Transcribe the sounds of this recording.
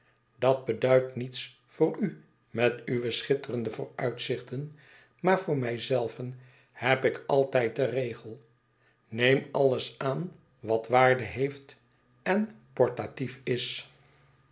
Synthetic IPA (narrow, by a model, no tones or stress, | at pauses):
dɑd̚bədœɥtnits | fʊːɾy | mɛtyʋəsχɪtərəndəvʊ̰ːɹœɥtsɪχtən | maːɹvʊːɹmɛjzɛlˠvən | hɛpɪkɑlˠtɛjt̚dərejχəlˠ | nejmɑləsaːn | ʋɑtʋaːɹdəɦejft | ɛn | pɔɹtatifɪs